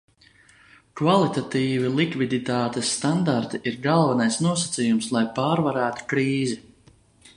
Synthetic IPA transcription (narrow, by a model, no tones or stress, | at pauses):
kvalˠit̪at̪iːvilˠikvid̪it̪aːt̪esːt̪and̪aɾt̪iʔiɾɡalˠvanajsnuɔsḁt̪sijumslˠajpaːɾvaɾæːt̪u̥kɾiːzɛ